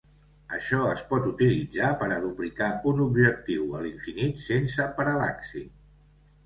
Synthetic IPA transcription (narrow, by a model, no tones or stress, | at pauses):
əʃɔəspɔt̪ut̪ilid͡zapəɾəðuplikaunubʒək̚t̪iwəliɱfinit̪sensəpəɾəlaksḭ